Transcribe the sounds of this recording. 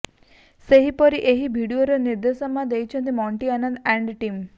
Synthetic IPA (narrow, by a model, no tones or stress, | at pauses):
seɦipɔɾiʔeɦibʱiɽioɾoniɾd̪esɔmãd̪ejt͡ʃʰə̃nt̪̬imɔɳʈianənd̪ɛ̃ɳɖʈim